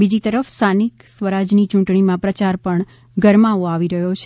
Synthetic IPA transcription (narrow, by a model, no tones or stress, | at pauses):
bid͡ʒit̪əɾəfst̪ʰaniksʋəɾad͡ʒnit͡ʃũʈɳimãpɾət͡ʃaɾpəɳ | ɡəɾmaʋoaʋiɾəɦot͡ʃʰ